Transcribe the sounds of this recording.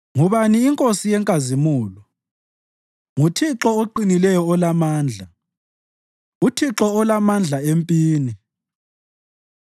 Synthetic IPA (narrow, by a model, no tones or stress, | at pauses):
ŋuβaniːŋkʼosijɛŋkʼazimuːlɔ | ŋutʰiǁɔoǃinilɛjɔːlamaːnd͡ɮʱa | utʰiǁɔːlamand͡ɮʱaempʼiːni